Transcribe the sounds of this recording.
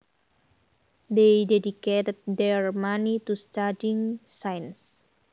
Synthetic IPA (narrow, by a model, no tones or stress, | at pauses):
dejdɛdiket̪əd̪̚dɛɹmanit̪ust̪adiŋsajns